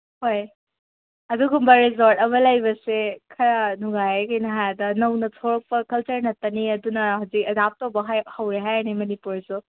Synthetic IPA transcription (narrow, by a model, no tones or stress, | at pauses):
hoj | ɐduɡumbɐɾizoɾtɐmɐlɐjbɐsekʰɐɾɐnuŋajekɐjnɐɦajdɐnɐwnɐtʰoɾɐk̚pɐkɐlt͡ʃɐɾnɐtːɐniɐdunɐhawzik̚ɐdap̚towbɐɦhɐwɾeɦajnimɐnipuɾsu